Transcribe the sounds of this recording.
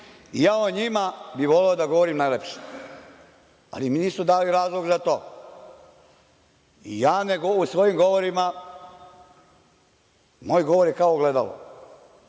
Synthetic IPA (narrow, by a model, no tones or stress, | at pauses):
ijaːoɲimabiʋo̞leod̪aɡo̞ʋoɾimnajlepʃe̥ | a̰liminiːsmud̪aːliɾaːzlˠoɡzat̪o̞ː | ḭjaːneɡousʋo̞jimɡo̞ʋoɾima | mo̞ːjɡo̞ʋoɾjekaoɡle̞d̪alo̰